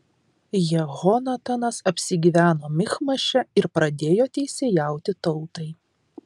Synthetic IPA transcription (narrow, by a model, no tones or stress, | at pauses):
jɛɣɔnɐt̪ɐnɐsɐpʲsʲɪɡʲiːʋʲæːnoːmʲɪxmɐʃʲɛɪɾpɾɐd̪ʲeːjoːt̪ʲɛɪsʲeːjæˑʊt̪ʲɪt̪ɒʊt̪ɐɪ